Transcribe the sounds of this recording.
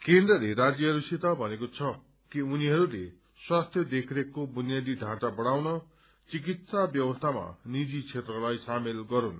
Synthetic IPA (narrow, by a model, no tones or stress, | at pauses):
kend̪rʌleɾad͡zjʌɦʌɾusit̪abʱʌnekot͡sʰʌ | kiuniɦʌɾule | swast̪ʰjʌd̪ekʰɾekobunjad̪iɖʱãt͡sabʌɽ̃awnʌ | t͡sik̬it̪sabjʌwʌst̪ʰama̰nid͡zit͡sʰet̪rʌlajsamilɡʌɾun